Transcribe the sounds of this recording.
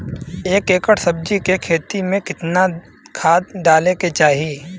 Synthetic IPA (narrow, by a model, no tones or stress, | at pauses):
eːkeːkəʈsɐb̚d͡ʒikekʰeːt̪imẽkɪt̪na | kʰaːd̪̚ɖaːleket͡ʃaːɦiː